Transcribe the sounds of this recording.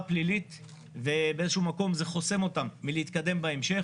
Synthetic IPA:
plilit̪ | vebeezeʃumako̞mze̞χo̞se̞mo̞tamːileit̪̚kad̪e̞mbaemʃe̞

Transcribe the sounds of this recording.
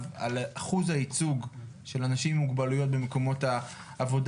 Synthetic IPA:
valʔaχuzhait͡suɡ | ʃe̞lanaʃimːuɡbalujo̞t̚bemeko̞mo̞taː | vo̞d

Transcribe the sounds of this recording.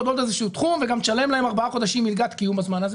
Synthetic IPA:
d̪o̞d̪ezeʃuut̪χumveɡamʃale̞mlae̞maʁbaaχo̞d̪aʃimːilɡat̪kijumbazmanaz

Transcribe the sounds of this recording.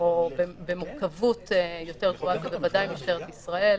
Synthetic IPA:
obebemuʁkavutejo̞te̞ʁt̪uaɡabevadajimiʃt̪eʁet̪isʁae̞l

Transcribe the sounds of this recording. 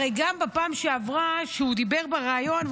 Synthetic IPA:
ejɡambepaːmʃeavʁaʃeud̪ibeʁbeʁaːjo̞n

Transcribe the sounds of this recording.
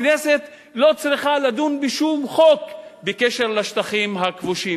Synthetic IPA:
nese̞t̪ | lo̞t͡sʁiχalad̪unbiʃumχo̞kbekeʃeʁlaʃt̪aχimɦakvuʃi

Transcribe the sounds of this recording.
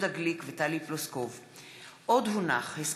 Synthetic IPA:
d̪aɡlikvet̪aliploskov | ʔod̪ɦunaχhes

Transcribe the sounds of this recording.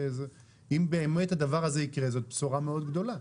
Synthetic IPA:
eze | imbeːme̞thad̪avaʁazeikʁe̞zo̞t̪̚psoʁameod̪ɡd̪o̞la

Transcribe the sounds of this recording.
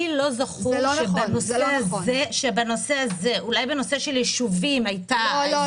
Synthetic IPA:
ilo̞zaχuʃebanoseaeʃebano̞se̞aze̞ʔulajbeno̞se̞ʃe̞ljeʃuvimajta

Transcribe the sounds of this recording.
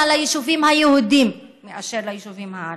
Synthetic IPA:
alajiʃuvimhajehud̪imː | eʔaʃeɾlajiʃuvimha

